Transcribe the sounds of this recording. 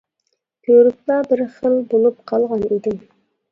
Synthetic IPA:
b̥ʰøɾɪk̚lˠɑbɪɾχəlbolˠup̚qʰɑlˠʁɑnid̪ɪm

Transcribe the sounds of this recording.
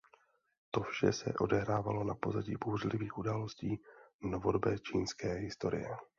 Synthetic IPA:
t̪o̞fʃɛsɛʔo̞̰dɛɦɾaːvalo̞napo̞zaɟiːbuːrlɪviːxʔudaːlo̞sciːnovo̞dobɛːt͡ʃiːnskɛːɦɪst̪o̞ɾɪ̰jɛ

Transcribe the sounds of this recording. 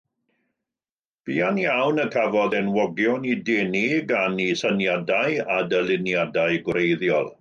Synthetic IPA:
b̥iːanjawnəkʰavɔdɛnwɔɡjɔnidɛniɡanisənjadajadəlˠɪnjadaɨɡwrejðjɔ̰lˠ

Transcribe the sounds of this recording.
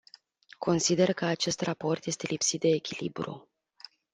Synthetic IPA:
kʰo̞nsid̪e̞rkəat͡ʃe̞st̪rapo̞rt̪je̞st̪e̞lipsit̪̚d̪e̞ːkʲilibɾṵ

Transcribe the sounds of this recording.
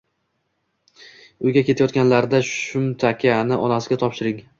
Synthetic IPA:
ʊjɡʲakʲʰe̞t̪ʰajɒt̪ɡʲanlaɾd̪aʃʊmt̪ʰakʲʰanɪʔɒnasɪɡʲat̪ʰɒpʃɪɾɪŋ

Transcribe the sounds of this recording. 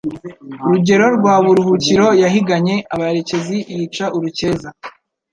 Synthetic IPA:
uɾuɟe̞ɾo̞ɾɡwaːβuɾuhuciɾo̞jaɦiɡaɲe̞ʔaβaeɾe̞ce̞zijit͡ʃaʔuɾuce̞ːza

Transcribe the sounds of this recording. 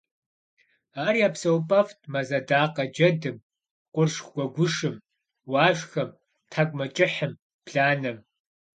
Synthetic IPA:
aːrijaːpsɐwpʼɐftʰmɐzɐdaːqɐd͡ʒɐdɨm | qʷʊrʂɡʷɔɡʷʊʂɨm | waːʒʷxɐm | tʰaːkʷʼmɐt͡ʃʼɪħəm | pʰɬaːnɐm

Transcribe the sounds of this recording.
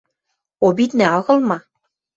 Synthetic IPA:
obit̪neɑɣɤ̆lˠmɑ

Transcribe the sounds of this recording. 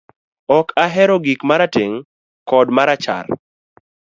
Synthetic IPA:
ɔkʰaɦɛɾɔɡikmaɾateŋ | kɔdmaɾat͡ʃa̰r

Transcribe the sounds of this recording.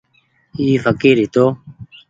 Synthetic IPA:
iːfɐkiɾit̪o

